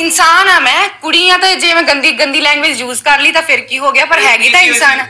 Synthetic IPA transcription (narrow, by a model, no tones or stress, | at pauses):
ɪnsaːnaːmɛ̃ːkʊɽiːãːt̪ãd͡ʒeːmɛ̃ːɡənd̪iːɡə̃nd̪iːlɛ̃ːɳɖʋɪd͡ʒjuːzkəɾliːt̪ãːpʰɪɾkiːɦoːɡɪaːpəɾɦɛːɡiːt̪aːɪnsaːnaː